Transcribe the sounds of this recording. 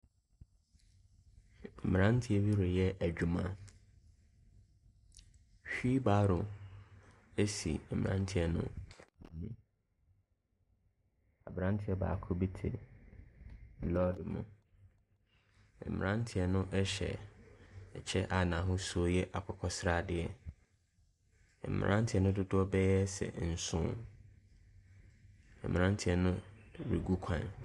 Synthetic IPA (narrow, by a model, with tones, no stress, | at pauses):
m̩˨m̃˨ã˦n˦tʰɪ˨˦ɛ˦bi˦ɾo˨jɛ˦ʔæ˨d͡ʑᶣu˨mã˦ | ɕᶣi˦baː˦ɾʊ˨ | e˦sḭ˨m̩˨ɾã̰˦n˦tʰɪ˨ɛ˨nʊ̰̃˦˨nĩ˦ | a˨bɾã˦n˦tʰɪ˦ɛ˦ba̰ː˨kʰʊ˦bi˦tʰe˨ | lɔ˦dɪ˨mʊ̰̃˨ | ɛ̰˨mɪ̃˨ã˦n˦tʰɪ˨ɛ˨nʊ̃˦ʔɛ˦ɕɛ̰˨ | ɛ˨t͡ɕʰɛ˦ʔa˨nã˨ɦʊ̃˦su˦o˦jɛ˦ʔa˨kʷʰɔ˨˦kʰɔ˦sɾa˦˨dɪ˦ɛ˨ | ɛ̰˨mɪ̰̃˨ʔã˦n˦tʰɪ˨˦ɛ˦nʊ̃˦dʊ˦dʊ˦ɔ˦bɛ˦jɛ˦sɛ̰˨n̩˨sʊ̰̃˦ | ɛ̰˨mɪ̃˨ã˦n˦tʰɪ˨ɛ˨nʊ̃˦ɾi˨ɡu˦kʷʰã̰˨n